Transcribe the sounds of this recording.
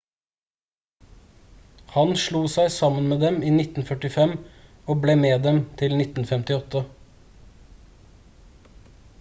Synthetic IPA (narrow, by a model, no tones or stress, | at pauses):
hɑnʃɭuːsæɪsɑmənmeːd̪ɛmiːnɪt̪n̩fœʈɪfɛm | oːbleːmeːd̪ɛmt̪ʰɪlnɪt̪n̩fɛmt̪ɪɔt̪ə